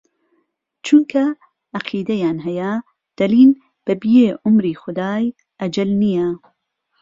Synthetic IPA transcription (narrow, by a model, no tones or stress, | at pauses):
t͡ʃunkʰɐ | ʔɐqʰiːd̪ɐjaːnɦɐjɐ | d̪̥ɐliːn | b̥ɐbijeːʔʊmɾiːxʊd̪aːj | ʔɐd͡ʒɐlnijɐ